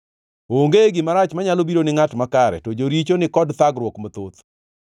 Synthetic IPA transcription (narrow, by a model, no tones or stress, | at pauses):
oŋɡeɡɪmaɾat͡ʃmaɲalobiɾonɪŋatmakaɾɛ̰tɔd͡ʒoɾit͡ʃonɪkɔdt̪aɡɾwɔkmot̪ot̪